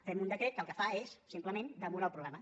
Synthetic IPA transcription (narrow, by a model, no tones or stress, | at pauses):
fɛmund̪əkɾet̪kəlˠkəfaesːimpləmend̪əmuɾaəlˠpɾuɣɾɛmə